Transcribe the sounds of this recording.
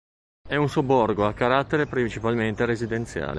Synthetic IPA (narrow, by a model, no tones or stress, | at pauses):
ɛunsobːɔrɡoakːaɾat̪ːeɾepɾint͡ʃipalment̪eɾezid̪ent̪sja̰ːlḛ